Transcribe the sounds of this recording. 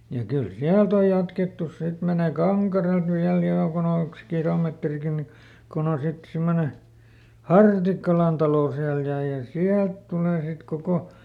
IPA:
jɑ kyl siælt oj jɑtketːus sit meneˑ kɑŋkɑrelt ʋiæl joŋkun olːĕks kilometrikin ni kon on sit simːone hɑrtikːɑlɑn tɑloˑ siæl jɑ jɑ siælt tuleˑ sit koko

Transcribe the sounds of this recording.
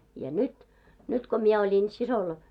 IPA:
jɑ nyt nyt ko mie olʲin sisol

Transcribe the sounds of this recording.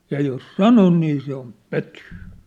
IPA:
jɑ jos sɑnon niː se om pøtyː

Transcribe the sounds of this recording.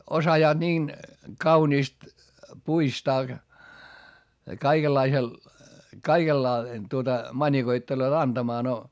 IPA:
osɑjɑːd̥ niːn kɑuniːst puistɑː kɑikelːɑisel kɑikelːɑ tuotɑ mɑnʲikoitːeloːt ɑnd̥ɑmɑː no

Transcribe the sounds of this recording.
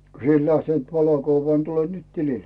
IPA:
ko si et læhtent ʋɑlokuʋːɑː ni tule nyt tilil

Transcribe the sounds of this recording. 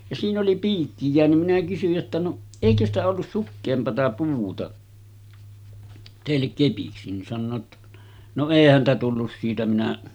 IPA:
jɑ siːn oli piːkːi jeænym minæ kysyj jotːɑ no eˑikø stæ olːus sukːeːmpɑtɑ puːtɑ teˑilːek kepiksi nin sɑnːoː tːɑ̥ no eˑi hæntæ tulːus siːtæ minæ

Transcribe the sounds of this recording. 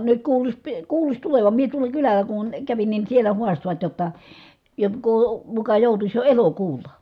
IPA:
nyt kuːlusʲ pi kuːlusʲ tuleʋɑm mie tuolɑ kylælˑæ kun kæʋin nin̞ sielæ huɑstoʋɑt jotːɑ jokːoː mukɑ joˑutusʲ jo elokuːlˑɑ

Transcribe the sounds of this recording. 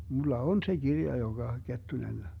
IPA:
mulːɑ on se ɡ̊irjɑ joŋɡ̊ɑ ketːunen

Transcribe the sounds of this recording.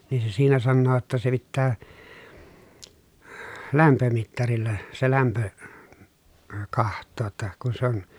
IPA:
niː se siːnæ sɑnːoː tːɑ se pitːæː læmpømitːɑrilːɑ se læmpø kɑhtˑoː tːɑ kun sĕ on

